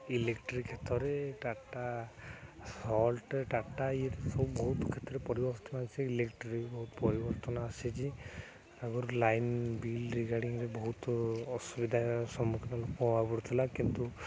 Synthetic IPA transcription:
ilekʈɾikʰːet̪ɔɾeʈaʈa | sɔlʈʈaʈaiɾsɔbubɔɦut̪ɔkʰet̪ːɔɾepɔɾibɔɾt̪ɔnaseilekʈɾebɔɦut̪ɔpɔɾibɔɾt̪ɔnaːsit͡ʃi | aɡɔɾlajnbilɾiɡaɽiŋɾebɔɦut̪ɔsubid̪ʱasɔmːukʰinɔlokmɔɦapɔɽut̪ʰilakint̪u

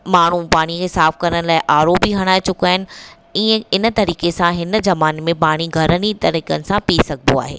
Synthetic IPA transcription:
maːɳ̤upaːɽ̃ikʰeːsaːfkɐɾəɽ̃laːɪʔaːɾoːpiɦɐɽ̃aːɪt͡ɕʊkaːɦɪnɪ̆ | ĩːə̃ɪnə̆t̪ɐɾiːkesãɦɪnzɐmaːnmẽpaːɽ̃iɡʱɐɾənit̪ɐɾiːkənɪ̆sãpiːsɐɡʱd̪o̰a̰ːɦḛː

